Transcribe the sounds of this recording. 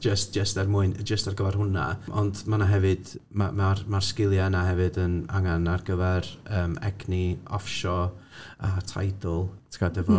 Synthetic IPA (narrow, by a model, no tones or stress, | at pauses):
d͡ʒəst̚d͡ʒəstarmʊɨnd͡ʒəstarɡəvɛrhʊna̰ʔɔndmanaɦɛvɨd̥mamarmarskɪlˠjaənaɦɛvɨdəna̰ŋanarɡəvɛrəːmɛɡniɔfʃɔatʰa̰jdɔlˠtʰkʰadəvɔ